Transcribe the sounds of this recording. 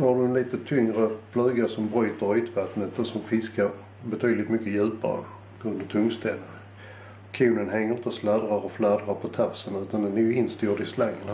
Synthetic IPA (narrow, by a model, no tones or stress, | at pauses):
d̪ɔhaɖɵɛnliːt̪ət̪ʰʏŋɾəflʉ̟ːɡasɔmbɾyːt̪əɾyːt̪vat̪nət̪ɛsɔmfɪskaɾ | bɛt̪ʰyːd̪lɪt̪mʏkːəjʉ̟ːpa̰ɾə̰ | ɡɵnd̪ət̪ʰɵŋst̪ʰɛ̰lə | kʰʉːnənɦɛŋːəɾɪnt̪əɔslæd̪ɾaɾɔflæd̪ɾaɾpʰɔt̪ʰafsənʉ̟ːt̪and̪ɛnjɪnst̪juːdɪslaŋən